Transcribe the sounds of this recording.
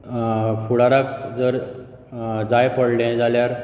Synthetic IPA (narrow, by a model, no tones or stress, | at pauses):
fʰuɽaɾak̚d͡zəɾ | d͡zajpəɽlẽd͡zaljaɾ